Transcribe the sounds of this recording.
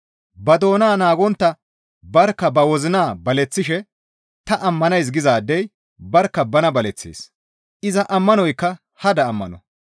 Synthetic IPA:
bɐd̪o̞ːnaːnaːɡɔnt̪ːɐ | bɐɾkːɐbɐwɔzɪnaːbɐlɛt͡sːɪʃɛ | t̪ɐʔɐmːɐnɐjs̬ɡɪzaːd̪ːɛj | bɐɾkːɐbɐnɐbɐlɛt͡sːḛːs | ʔɪzɐʔɐmːɐnɔjkːɐ | hɐd̪ɐːmːɐ̰nɔ

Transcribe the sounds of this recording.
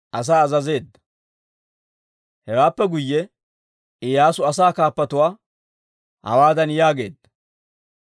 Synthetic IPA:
ʔɐs̬aːɐzɐze̞ːd̪ːɐ̥ | hɛwaːpːɛɡʊjːɛ | ʔɪjaːsʊɐsaːkaːpːɐt̪ʊwaː | hɐ̰waːd̪ɐnjaːɡe̞̰ːd̪ːɐ̥

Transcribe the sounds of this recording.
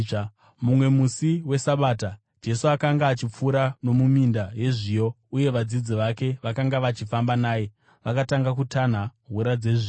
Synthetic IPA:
mumwe̞musiwe̞saɓaːta | d͡ʒe̞suakaŋɡaːt͡ʃip͡fuɾano̞mumindaje̞ʐijo̞ | uje̞ʋad͡zid͡ziʋake̞ʋakaŋɡaʋat͡ʃifambanaːje̞ | ʋakataŋɡakutʰan̤aɦuɾad͡ze̞ʐi

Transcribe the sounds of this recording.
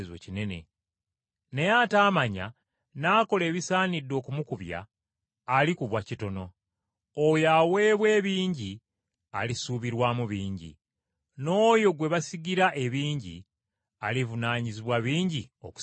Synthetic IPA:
zwḛcine̞ne̞̰ | ne̞jataːmaɲa̰ | naːko̞le̞ːβisaːnidːo̞ːkumukuβja̰ː | likuβwacito̞no̞ | ojawe̞ːβwe̞ːβiːɲɟi | alisuːβiɾwaːmuβiːɲɟḭ | no̞ːjo̞ɡwe̞βasiɡiɾaʔe̞βiːɲɟḭ | alivunaːɲiziβwaβiːɲɟio̞̰ku̥

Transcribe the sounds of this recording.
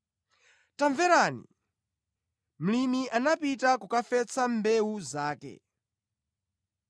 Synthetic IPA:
taɱvɛɾaːnḭ | m̩limiʔanapitakukafɛt͡sʰambɛuzaːkɛ̰

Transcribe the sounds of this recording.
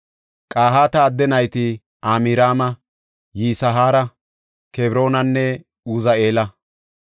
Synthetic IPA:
kʼaːɦaːt̪ɐːd̪ːɛnɐjt̪ɪ | aːmiɾaːmɐ | jiːsɐɦaːɾɐ | kebɾo̞ːnɐnːɛ | uːzɐe̞ːlɐ

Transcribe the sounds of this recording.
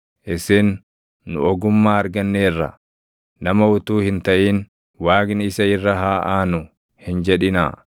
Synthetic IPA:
ʔɪsenː | ʊ̰ɔɡʊmːaːɐɾɡɐnːeːrːɐ̰ | nɐmɐʊt̪uːhɪnt̪ɐʔiːn | waːɡnɪsɐɪrːɐɦaːʔaːnʊ | hɪnd͡ʒɛᶑɪna̰ː

